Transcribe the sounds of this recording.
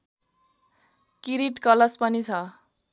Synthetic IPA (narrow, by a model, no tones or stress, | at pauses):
kiɾiʈkʌlʌspʌnit͡sʰʌ